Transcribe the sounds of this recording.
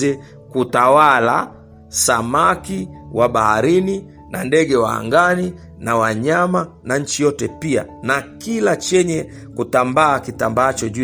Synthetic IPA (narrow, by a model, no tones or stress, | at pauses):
ɛ | kutawala̰ | samakiwaɓahaɾini | nandɛɡɛwaa̰ŋɡani | nawaɲamanaɲ̩t͡ʃijɔtɛpia̰nakilat͡ʃɛɲɛ | kutambaːkitambaːt͡ʃɔʄu